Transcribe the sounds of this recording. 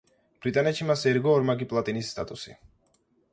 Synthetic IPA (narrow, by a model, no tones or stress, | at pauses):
b̥ɾit̪ʼanɛt̪ʃimasɛɾɡɔːɾmaɡipʼlˠat̪ʼinisːt̪ʼa̰t̪ʼusḭ